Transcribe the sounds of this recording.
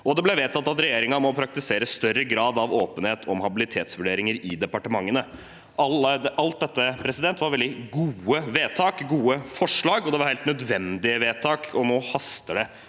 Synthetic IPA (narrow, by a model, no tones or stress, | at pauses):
ʔɔd̪ɛblɛʋeːt̪ʰɑt̪ːɑt̪ɾɛjeːɾɪŋɑmɔpʰɾɑk̚t̪ɪseːɾəsst̪œrəɡɾɑːd̪ɑʋoːpənheːt̪ʰɔmhɑbɪlɪt̪ʰeːt̪sʋʉɖeːɾɪŋəɾɪd̪ɛpɑʈəmɑŋːənə | ʔɑləʔɑlt̪̚d̪ɛt̪ːəpʰɾɛsɪd̪ɛnt̪ʋɑɾʋɛld̪ɪɡuːəʋeːt̪ʰɑːkɡuːəfɔʂɭɑːɡɔd̪ɛʋɑɾheːlt̪nœd̪ʋɛnd̪ɪəʋeːt̪ʰɑːkʰɔnoːhɑst̪əɖɛ